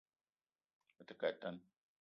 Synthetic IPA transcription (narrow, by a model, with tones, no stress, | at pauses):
ə˨t̪ə˨ka˨t̪ːa˦n